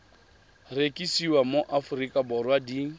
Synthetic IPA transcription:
rekʼisiwamoʔafʊrikʼabɔrwadi

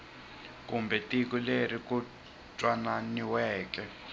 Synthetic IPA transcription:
k̬ʼumbɛtʼik̬uleriku | t͡ʃʼwananiwɛːk̬ʼɛ

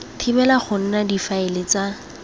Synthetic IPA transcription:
tʰɪbɛlaχʊn̩nadifaɪlɪt͡sa

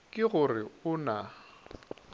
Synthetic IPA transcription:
kʼɪɣʊrɪʊna

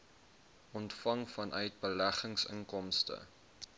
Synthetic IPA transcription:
ʔɔntfɐŋfɐnʔœɥt̚bəlæχəŋsə̰ŋkɔmstə̰

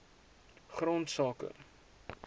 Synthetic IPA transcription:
χrontsɑːkə̰

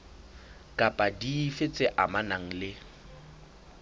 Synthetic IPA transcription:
kʼapʼadiːfet͡sʼɪʔamanaŋ̩lɪ

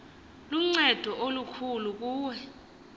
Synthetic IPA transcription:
luŋ͡ǀɛd̥ʱɔʔolukʰuluk̬uːwɛ

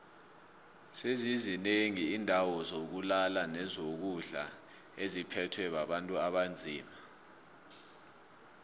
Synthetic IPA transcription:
sezizineŋiːndʱawɔzok̬ulalanɛzok̬uɮa̰ | ezipʰɛtʰwɛɓaɓantʼuaɓand͡zʱiːma

